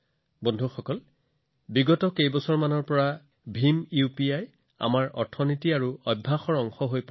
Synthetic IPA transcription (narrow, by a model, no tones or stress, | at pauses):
bɔndʱuxɔkɔl | biɡɔtɔkejbɔsɔɹmanɔɹpɔɹa | bʱimupiaj | a̰maɹɔ̰ɹtʰɔnitiaɹuɔbʱːaxɔɹɔŋxɔɦojp